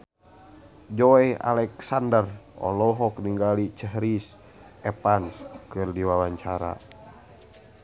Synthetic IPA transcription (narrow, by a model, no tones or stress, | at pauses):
d͡ʒɔɛa̰lɛksandərɔ̰lɔɦɔkniŋɡalit͡ʃəɦɾis | ʔɛpanskɨrdiwawaɲt͡ʃaɾa̰